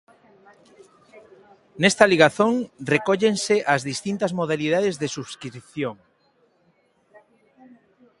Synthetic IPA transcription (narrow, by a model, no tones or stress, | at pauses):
nest̪aliɣ̞aθoŋrekoʎenseʔazðist̪int̪azmoð̞aliðaðezðesuβskɾɾiθjoŋ